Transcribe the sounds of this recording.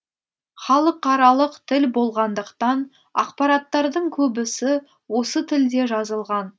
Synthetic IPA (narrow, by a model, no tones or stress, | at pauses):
χɑlˠəqːɑɾɑlˠəqt̪ʰɪlbo̞lˠʁɑnd̪əqt̪ɑn | ɑ̰qpɑɾɑt̪ːɑɾd̪əɴkʲʰɵbɪsɪ | wo̞sət̪ʰɪld̪e̞ʒɑzəlˠʁɑn